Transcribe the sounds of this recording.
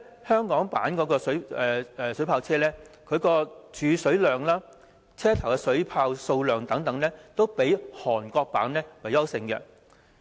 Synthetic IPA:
hœː˥ŋkɔː˨˥ŋpa̰ː˨˥nkɔː˨˧˥kɔː˧sɵ˨˥ɥɛː˨ɛː˨sɵ˨˥pʰaː˧wt͡sʰɛː˥lɛː˥kʰɵ˨˧˥ɥkɔː˧t͡ʃyː˨˧sɵ˨˥ɥlœː˨˩ŋlaː˥ | t͡sʰɛː˥t̪ʰɐ˨˩wkɛ˧sɵ˨˥ɥpʰaː˧wso˧wlœː˨˩ŋt̪ɐ˨˥ŋt̪ɐ˨˥ŋlɛː˥t̪o˥wpe˨˥jhɔː˨˩nkɔː˧k̚pa̰ː˨˥nlɛː˥wɐ˨jɐ˥wsɪ˧ŋkɛ̰ː˧

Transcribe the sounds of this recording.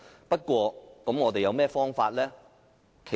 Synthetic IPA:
pɐ˥t̚kʷɔː˧kɐ˨˥mŋɔː˨˧t̪e˨jɐ˨˧wmɛː˥fɔː˥ŋfaː˧t̚lɛː˥ | kʰe˨˩

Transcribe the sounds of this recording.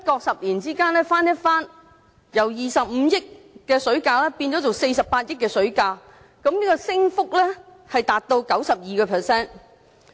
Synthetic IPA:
jɐ˥t̚kɔː˧k̚sɐ˨p̚liː˨˩nt͡siː˥kaː˥nlɛː˥faː˥njɐ˥t̚faː˥n | jɐ˨˩wjiː˨˩sɐ˨p̚m̩˨˧˦jɪ˥k̚ | kɛː˧sɵ˨˥ɥkaː˧lɛː˥piː˧nt͡sɔ˨˥t͡so˨wse˧jsɐ˨p̚paː˧t̚jɪ˥kːɛː˧sɵ˨˥ɥkaː˧ | kɐ˨˥mniː˥kɔ˧sɪ˥ŋfʊ˥k̚lɛː˥ | hɐ˨jt̪aː˨˩t̚t̪o˧wkɐ˨˥wsɐ˨p̚jiː˨kɛː˧pʰɛː˨˩sɛː˥n

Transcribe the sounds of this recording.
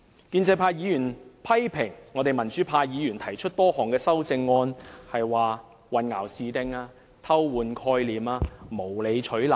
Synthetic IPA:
kiː˧nt͡sɐ˧jpʰaː˧jiː˨˧jy˨˩npʰɐ˥jpʰɪ˨˩ŋːɔː˨˧t̪e˨jmɐ˨˩nt͡ʃy˨˥pʰaː˧jiː˨˧jyː˨˩nt̪ʰɐ˨˩jt͡ʃʰɵ˥t̚t̪ɔː˥hɔː˨˩ŋkɛː˧sɐ˥wt͡sɪ˧ŋːɔː˧nhɐ˨jwaː˨ | wɐ˨nŋa̰ː˨˩wsiː˨t̪ɪ˧ŋaː˧ | t̪ʰɐ˥wwuː˨˧nkʰɔː˧jliː˨˩maː˧mo˨˩wle˨˧jt͡ʃʰɵ˨˥ɥla˨˩

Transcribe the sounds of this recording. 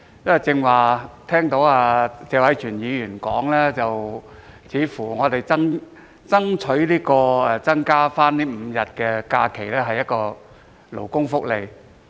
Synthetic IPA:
jɐ˥ɐ˨t͡sɪ˧ŋwaː˨t̪ʰɛː˥ŋt̪o˨˥waː˧t͡sɛː˨˧wɐ˨˥jt͡ʃʰyː˨˩njiː˨˧jyː˨˩nkɔː˨˥ŋlɛː˥t͡sɐ˨wt͡sʰiː˨˥fuː˨˩ŋɔː˨˧t̪e˨jt͡sɐ˥ŋ | t͡sɐ˥ŋt͡sʰɵ˨˥ɥliː˥kɔː˧ɛ˨˧t͡sɐ˥ŋkaː˥faː˥nniː˥m̩˨˧jɐ˨˩t̚kɛ˧kaː˧kʰe˨˩jlɛː˥ɦɐ˨jːɐ˥t̚kɔː˧ | lo̰˨˩wkʊ˥ŋfʊ˥k̚le˨˧j

